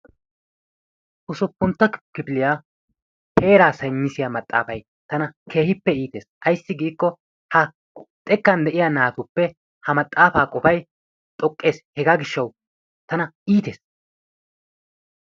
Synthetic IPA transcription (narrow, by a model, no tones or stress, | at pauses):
ʔʊsʊpːʊnt̪ːɐkkːɪpɪlɪjaː | pe̞ːɾaːsɐjɲːɪsɪjaːmɐt̪ʼːa̰ːfɐj | t̪ɐnɐkʰe̞ːhɪpːɛiːt̪e̞ːsʔɐjsːɪɡiːkːɔ | hɐ | t̪ʼɛkːɐnd̪ɛʔɪjaːnaːt̪ʊpːɛ | hɐmɐt̪ʼːaːfaːkʼɔfɐj | t̪ʼɔkʼːe̞ːshɛɡaːɡɪʃːɐw | t̪ɐnɐʔiːt̪e̞ːs